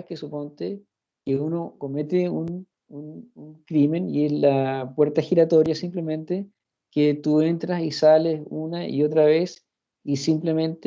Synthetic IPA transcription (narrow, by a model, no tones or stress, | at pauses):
kesupo̞nt̪e | keunoko̞met̪eun | ununkɾime̞nieslapweɾt̪axiɾat̪o̞ɾjasimplement̪e | ket̪uent̪ɾasisalesunaḭo̞t̪̬ɾaβes | isimplemẽ̞nt̪